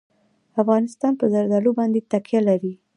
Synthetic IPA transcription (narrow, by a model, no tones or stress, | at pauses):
afɣɑnɪst̪ɑnpəzaɾd̪ɑlubɑnd̪et̪akjalaɾi